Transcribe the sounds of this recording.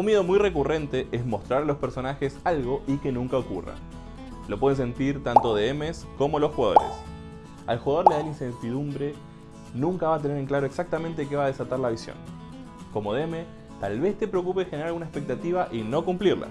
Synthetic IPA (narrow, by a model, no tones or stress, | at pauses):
unmje̞ð̞o̞mujre̞kure̞nt̪e̞ʔezmo̞st̪ɾaɾalospe̞ɾso̞naxe̞salɣo̞ʔike̞nũŋkaokṵra̰ | lo̞pwe̞ð̞es̬e̞nt̪iɾt̪ant̪o̞ðeemesko̞mo̞lo̞sxuɣað̞o̰ɾḛs | a̰lxuɣaðo̞ɾleðalinsent̪iðumbɾe̞ | nũŋkaβaːt̪e̞neɾe̞ŋklaɾo̞eksak̚t̪ament̪eke̞βaːðesat̪aɾlaβ̞isjo̰ŋ | ko̞mo̞ðeme | t̪alβe̞st̪e̞pɾeok̬upe̞xeneɾaɾalɣunaespe̞k̚t̪at̪iβaʔino̞kumpliɾla̰